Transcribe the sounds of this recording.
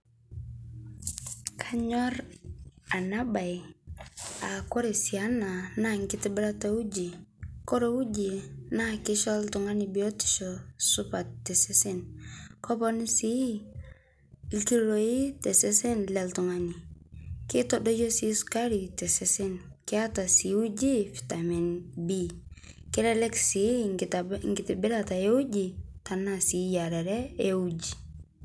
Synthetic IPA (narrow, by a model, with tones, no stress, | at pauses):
kʰa˦ɲɔ˦ɾ | a˨na˦ba˨j | a˨ko˦ɾe˨sia˦na˨na˦ŋkɪ˦tɪ˦bɪ˦ɾa˦ta˦u˦d͡ʒi˨ko˦ɾo˦u˦d͡ʒi˨na˦kɪ˦ʃɔ˦ltʊ˨ŋa˦ni˨bi˨o˦tɪ̥˨ʃɔ˨sʊ˦pa˨tːɛ˨se˦sɪ˦nkɔ˦pɔ˦nsi˦˨ | lki˦ɾo˨i˦tɛ˨sɛ˦sɛ˦nlɛ˨ltʊ˨ŋa˦ni˨kɪ˦tɔdo˦jɔ˦si˨˦ska˦ɾi˨tɛ˨sɛ˨sɪ˦n | kɪ˦a˦ta˨si˨u˦d͡ʒi˦fi̥˨ta˨mi˨nbi˦ | kɪ˦ɾɛ˦lɛ˦ksi˨˦ | ŋɡɪ˨tɪ˨bɪ˦ɾa˨ta˨e˦u˦d͡ʒi˨ta˨na˨si˨ja˨ɾɛ˨ɾɛ˦ɛ˦u˦d͡ʒi˨